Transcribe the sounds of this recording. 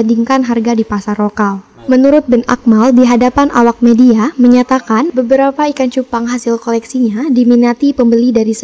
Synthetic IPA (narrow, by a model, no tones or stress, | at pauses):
andiŋkanɦarɡadipasarlokal | mənuɾʊt̪̚bɛna̰k̚maldiɦadapanʔawak̚mediaməɲat̪akanbəbəɾapaikant͡ʃupaŋɦasɪlkolɛksiɲadiminat̪ipəmbəlidaɾisə